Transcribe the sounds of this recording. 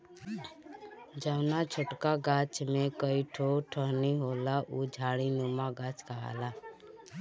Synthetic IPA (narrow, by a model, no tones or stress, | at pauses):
d͡ʒəʋnat͡ʃʰʊʈkaɡat͡ʃmẽkəiʈʰoʈʰəɦniɦoːlaʔud͡ʒʱaːɽinumaɡat͡ʃkəɦa̰la